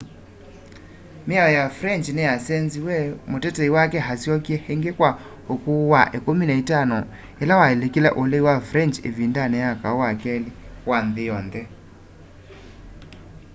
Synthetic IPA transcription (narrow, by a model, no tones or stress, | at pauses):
meaɔjafɾɛnt͡ʃnɛjasɛnziwɛmotɛtɛiwakɛɦasjɔkjɛhɛŋɡekwa | hokuwaʔekominaitanɔ | elawaelekilɛ̰ʔoleiwafɾɛnt͡ʃḛvindanɛjakaowakɛliwanðejɔnðɛ